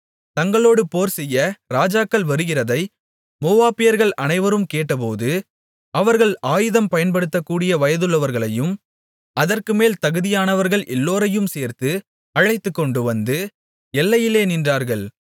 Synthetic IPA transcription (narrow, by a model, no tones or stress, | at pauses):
t̪ɐŋɡɐɭoːɽɯpoːɾsɛjːɐɾaːd͡ʒaːkːɐɭʋɐɾɯɣɪrɐðɐɪ | moːʋaːpɪjɐɾɣɐɭʔɐnɐɪʋɐɾɯmkeːʈːɐp̬oːðɯ | ɐʋɐɾɣɐɭaːjɯðɐmpɐjɐnpɐɽɯt̪ːɐkːuːɽɪjɐʋɐjɐðɯɭːɐʋɐɾɣɐɭɐjɯm | ɐðɐrkɯmeːlt̪ɐɣɯðɪjaːnɐʋɐɾɣɐɭʔɛlːoːɾɐjɯmseːɾt̪ɯ | ɐɻɐɪt̪ːɯkːɔɳɖɯʋɐnd̪ɯ | ɛlːɐjɪleːnɪndraːɾɣɐɭ